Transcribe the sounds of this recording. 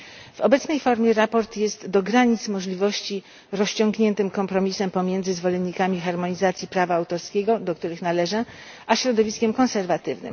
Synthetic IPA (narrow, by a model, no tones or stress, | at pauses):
v̥ɔbɛt̪snɛjfɔɾmʲjɛɾapɔɾt̪jɛst̪d̪ɔɡɾaɲit̪smɔʐlʲivɔɕt͡ɕi | ɾɔɕt͡ɕɔ̃ŋɡɲɛnt̪ɘmkɔmpɾɔmʲisɛmpɔmʲjɛnd̪zɘzvɔlɛnːikamʲixaɾmɔɲizat̪sʲipɾavaːwt̪ɔɾskʲeɡɔd̪ɔk̚t̪uɾɘxnalɛʐɛ | ʔaɕɾɔd̪ɔvʲiskʲɛmkɔ̃nsɛɾvat̪ɘvnɘ̰m